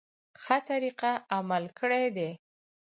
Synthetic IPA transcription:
xət̪aɾiqaamalkʰəɽed̪e

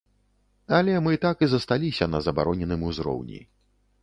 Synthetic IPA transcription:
alʲɛmɨt̪akizɐst̪alʲisʲɐnɐzɐbaɾɔnʲɛnɨmuzɾɔ̰wnʲḭ

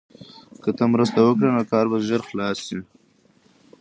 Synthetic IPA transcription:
kət̪əmɾəst̪awəkɽenokɑːɾbaʒəɾxlɑːsi

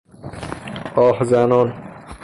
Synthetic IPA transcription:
ɒːhzænɔn

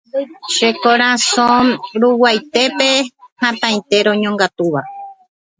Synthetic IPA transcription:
ʃekoɾ̃ãsõɾuwajt̪e̞pe̞hãt̪ãĩt̪e̞ɾõɲõŋɡat̪uʋa

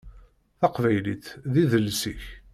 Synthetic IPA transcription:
θɑqvæjliθðiðəlsiç

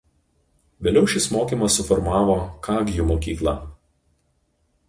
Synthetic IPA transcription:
ʋʲeːlʲɛʊʃʲɪsmoːkʲiːmɐsːʊfɔɾmɑːʋoːkɑːɡʲjumoːkʲiːklˠɑ̰ː

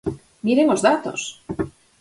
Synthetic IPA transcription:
miɾeŋozðat̪o̰s

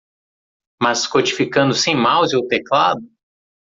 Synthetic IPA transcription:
mɐskot͡ʃi̥fikɐ̃nd̪ʊsẽj̃mawzowt̪eklad̪ʊ

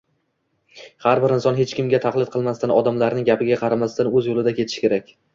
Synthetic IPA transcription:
haɾbɪɾɪnsɒnɦe̞t͡ʃkʲɪmɡʲat̪ʰaχlˠɪd̪̚qʰɨlˠmast̪anɒd̪amlaɾnɪŋʲɡʲapʰɪɡʲaqʰɑɾamast̪anɵzjolˠɪd̪akʰʲeɪ̥ʃɪ̥kʲeɾakʲ

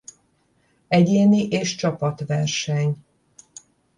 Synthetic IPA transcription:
ɛɟeːniʔeːʃt͡ʃɒpɒt̪ʋɛrʃɛɲ

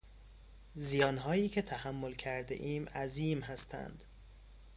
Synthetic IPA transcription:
zijɒːnɦɒːjiːcʰe̞t̪ʰæhæmːolcʰæɾd̪ḛʔiːmæziːmɦæst̪ʰæ̰nd̪̥

